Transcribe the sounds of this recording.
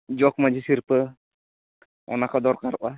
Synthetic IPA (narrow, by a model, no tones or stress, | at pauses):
d͡ʒɔkmad͡ʒisiɾpə | ɔ̰nakɔd̪ɔɾkaɾʔa